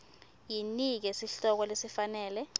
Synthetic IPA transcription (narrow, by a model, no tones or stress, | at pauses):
jinik̬ɛsiɬɔk̬ɔlesifanɛːlɛ